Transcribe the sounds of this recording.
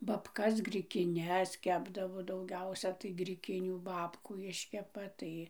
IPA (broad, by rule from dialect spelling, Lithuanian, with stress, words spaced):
bɐˈpkɐs ɡrʲɪkʲɪˈnʲɛs ˈkʲæːbdɐʋoː dɐʊˈɡʲɛʊsʲɛ tɐɪ ɡrʲɪˈkʲɪnʲuː ˈbɑːpkuː ˈɪʃʲkʲɛpɐ ˈtɐɪ